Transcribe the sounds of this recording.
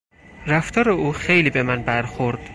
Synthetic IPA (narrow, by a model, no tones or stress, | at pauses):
ɾæft̪ʰɒːɾe̞uːxejliːbe̞mænbæɾxoɾd̪̥